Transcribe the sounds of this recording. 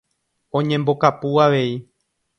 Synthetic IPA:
õ̞ɲẽ̞mbo̞kapuaʋe̞i

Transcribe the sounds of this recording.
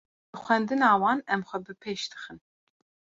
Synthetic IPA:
ɨxʷɛnd̪ɨnɑːwɑːnɛmxʷɛbɨpʰeːʃd̪ɨ̥xɨn

